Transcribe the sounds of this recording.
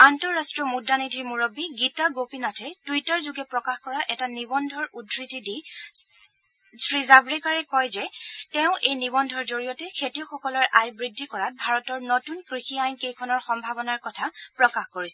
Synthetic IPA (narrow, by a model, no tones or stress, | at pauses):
antɔɹːastɹɔmudːanidʱiɹmuɹobiɡitaɡopinatʰɛtujtaɹzuɡɛpɹɔkaxkɔɹaʔɛtanibɔndʱɔɹudʱɹitidi | sɹizabɹɛkaɹɛkɔjzɛtɛʊ̃ʔejnibɔndʱɔɹzoɹijɔtɛkʰetijɔxɔkɔlɔɹʔajbɹidʱːikɔɹat̚bʱaɹɔtɔɹnotunkɹixiajnkejkʰɔnɔɹxɔmbʱabɔnaɹkɔtʰapɹɔkaxkoɹisɛ